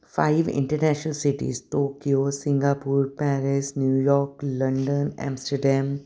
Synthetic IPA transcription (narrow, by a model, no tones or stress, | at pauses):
faɪʋɪ̰̃ɳʈəɾnæːʃənəlsɪʈḭsʈoːkiosɪ̃ŋɡapuːɾpɛɾɪsnjuːjɔːɾklɐ̃ɳɖə̃næ̰̃ːmsʈəɾɖɛ̃m